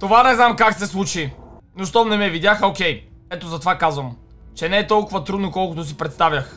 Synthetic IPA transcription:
t̪ovanɛznamkaksɛslˠut͡ʃi | noʃt̪ɔnɛmɛvid̪jaxokʲɛj | ɛt̪ozɐt̪ovakazvəm | t͡ʃɛnɛɛt̪ɔlˠkʊvɐt̪ɾud̪nokɔlˠkʊt̪os̬ipɾɛt̪st̪avʲjɐx

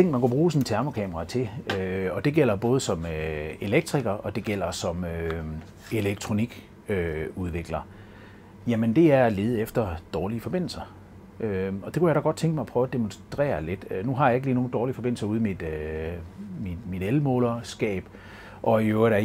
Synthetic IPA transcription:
eŋ̰ɡ̥mænkub̥ʁuːsɒnt͡sʰæɐmokʰɛːmɐʁɑ̈t͡sʰe̝øɒ̽d̥e̝ɡ̥el̰ɐb̥ɔ̽ːð̞̩ˠsɒ̽møe̝leɡ̥̚d̥ʰʁiɡ̥ɐʔɒ̽d̥e̝ɡ̥el̰ɐsɒ̽mø | e̝leɡ̥̚t͡sʰʁo̝niɡ̥ | øuð̞ˠʋe̝ɡ̥lɐ | jæmənd̥e̝æɐæle̝ːð̞̩ˠefd̥ɐd̥ɒːliəfɒ̽b̥e̝n̰l̩sɐ | ʔøɒd̥e̝kʰujaɾɑɡɒ̽d̥̚t͡sʰeŋɡ̥əmɑ̈ɪpʰʁœːʊæd̥emonsd̥ʁɛ̰ːɐle̝d̥ønuɦɑ̈jɑ̈e̝ɡ̥əliːno̝ːn̩d̥ɒːlifɒ̽be̝n̰l̩sɐuð̞ˠn̩mid̥ø | mi̥mid̥elmɔ̰ːlɐsɡ̥ɛ̰ːb̥ | ʔɒ̽øʊɐɾæ

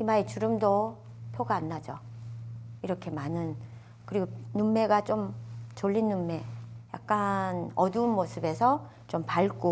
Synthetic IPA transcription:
imaet͡ɕuɾɯmdo | pʰjoɡaːnːad͡ʑo | iɾʌkʰe̞manɯn | kɯɾiɡonunme̞ɡat͡ɕ͈omt͡ɕoʎːinːunme̞ja̰k̚k͈anʌduːnmosʰɯbe̞sʰʌ | t͡ɕompaɭk͈o

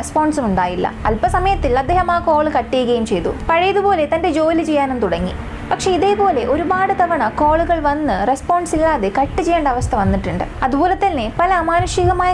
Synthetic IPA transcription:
spoːɳɖsumuɳɖaːjilːɐ̰ɐlpɐsɐmɐjɐt̪ːilɐd̪ːeːɦɐmaːko̞ːɭɨkɐʈːijuɣɐjumt͡ɕe̞jt̪ṵpɐɻejɐðubo̞ːle̞t̪ɐnde̞d͡ʑo̞ːlit͡ɕe̞jːaːnunːɨt̪uɽɐŋːḭ | pɐkʂe̞iðe̞ːpo̞ːle̞ʔo̞ɾubaːɽɨt̪ɐʋɐɳɐko̞ːɭuɣɐɭʋɐnːɨrespoːɳɖsilːaːðekɐʈːit͡ɕejːeːɳɖɐʋɐst̪ʰɐʋɐnːiʈːuɳɖɨ̰ɐðuboːlɐt̪ːɐlnepɐlɐmaːnɐʂiɣɐmaːj

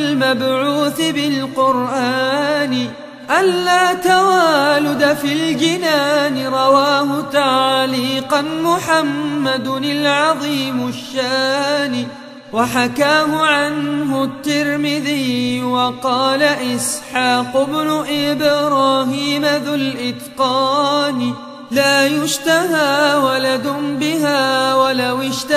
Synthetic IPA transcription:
lmabʕuːθɪbɪlqʊɾʔaːnɪ | ʔanːaːt̪awaːlʊd̪afild͡ʒɪnaːnɪɾˤɑwaːhʊt̪aʕliːqɑnmʊħamːad̪ɪlʕɑðˤiːmʊʃːaːnɪ | waħakaːɦʊʕanɦʊt̪ːɪɾmɪðiːjwɑqɑːlaʔɪsħaːqʊbnʊʔɪbɾˤɑːɦiːmaðʊlʔɪt̪qɑːn | laːjʊʃt̪ahaːwalad̪ʊnbɪɦaːwalawɪʃt̪a

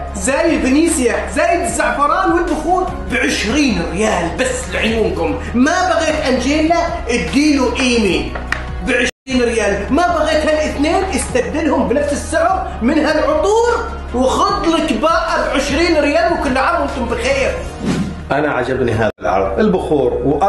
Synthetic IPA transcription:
zaːjɪlbɪniːsɪjazaːjɪd̪ɪzːɑʕfɑɾˤɑːnwɪlbʊxuːɾ | bɪʕɪʃɾiːnɾɪjaːlbasːlɪʕʊjuːmkʊm | mabaɣeːt̪ʔand͡ʒeːla | ɪd̪ːiːluʔiːmiːn | bɪʕɪʃɾiːnɾɪjaːlimabaɣeːt̪halʔɪθneːnʔɪst̪ad̪ːɪlhʊmbɪnafsɪsːʊʕʊɾ | mɪnɦalʕʊt̪ˤuːɾ | wɪxʊd̪ˤlɪkbaːʔabʕɪʃɾiːnɾɪjaːlwɪkʊlːʕaɾˤʔɪnt̪ʊmbɪxeːɾ | ʔanaʕa̰d͡ʒabnḭɦa̰ːðalʕɑ̰ɾ̰ˤʔɪlbʊxuːɾwʔ

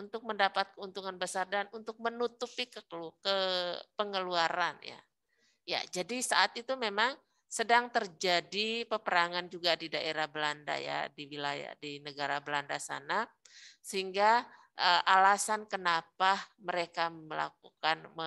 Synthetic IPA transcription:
unt̪ʊk̚məndapat̪̚kəunt̪uŋanbəsardanunt̪ʊk̚mənut̪upikəkəlukəpəŋəluaɾa̰nja̰ | ja̰d͡ʒadisaʔat̪it̪umemaŋ | sədaŋt̪ərd͡ʒadipəpəɾaŋand͡ʒuɡadidaʔeɾahbəlanda̰ja̰diwila̰ja̰dinəɡaɾabəlandasa̰na | səɦiŋɡa | ʔəʔalasankənapaməɾekaməla̰k̚ukanmə

